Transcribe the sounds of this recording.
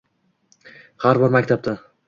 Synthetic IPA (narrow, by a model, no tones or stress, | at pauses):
haɾbɒɾmakʲt̪ʰap̚t̪a